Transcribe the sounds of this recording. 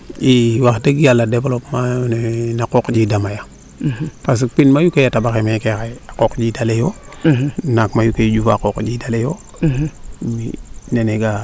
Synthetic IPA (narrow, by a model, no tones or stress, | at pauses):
iwaxdəɡjalːadebolopmanenakokd͡ʒidamaja | pas̬k̚pinmajukejatabaxemakekaakokd͡ʒidalejo | nakmajuked͡ʒufa̰kokd͡ʒidalejo | mineneɡa